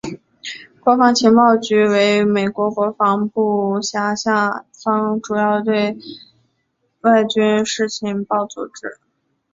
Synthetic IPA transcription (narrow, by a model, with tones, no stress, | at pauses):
kwɔ˧˥fɑ˧˥ŋt͡ɕʰi˧˥ŋpɑ˥˩ʊt͡ɕy˧˥we˧˥ɪme˨˩ɪkwɔ˧˥kwɔ˧˥fɑ˧˥ŋpu˥˩ɕja˧˥ɕja˥˩fɑ˥ŋʈ͡ʂu˨˩jɑ˥˩ʊd̪ə˩t̪̬we˥˧ɪ | wa˥˩ɪt͡ɕy˥nʂɻ̩˥˩t͡ɕʰi˧˥npɑ˥˩ʊt͡sṵ˨˩ʈ͡ʂɻ̩˥